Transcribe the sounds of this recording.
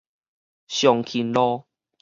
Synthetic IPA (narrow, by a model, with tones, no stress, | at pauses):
ɕjɔ˨ŋkʰi˨˩nlɔ˦